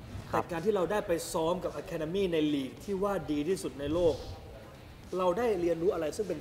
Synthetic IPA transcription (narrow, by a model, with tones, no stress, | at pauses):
t͡ɕa˨˩kaː˧nt̪ʰiː˥˩ɾa˧wdaː˥˩jpa˧jsɔː˦˥mka˨˩p̚ʔa˧kʰɛː˧da˧miː˥˩na˧jliː˨˩k̚t̪ʰiː˥˩waː˥˩diː˧t̪ʰiː˥˩su˨˩t̪̚na˧jloː˥˩k̚ | ɾa˧wdaː˥˩jɾi˧ənɾuː˦˥ʔa˧ɾa˧jsɯ˥˩ŋpe˧n